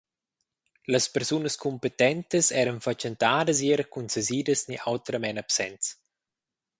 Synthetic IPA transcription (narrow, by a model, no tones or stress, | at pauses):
ləspɛɾsunəskumpet̪ɛnt̪əsɛːɾənfat͡ʃent̪aːdəs̬eɾəkunseziːdəsniʔawt̪ɾəmɛnapsɛnts